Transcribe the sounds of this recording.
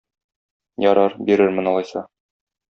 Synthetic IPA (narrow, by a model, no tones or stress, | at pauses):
jɒɾɑɾbiɾɘɾmɘ̆nɒlˠɑjsɑ